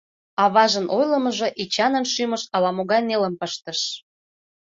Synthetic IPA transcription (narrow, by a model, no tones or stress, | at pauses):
ɑβɑʒənʔojləməʒoʔit͡ɕɑnənʃyməʃɑlɑmoɣɑjneləmpəʃt̪əʃ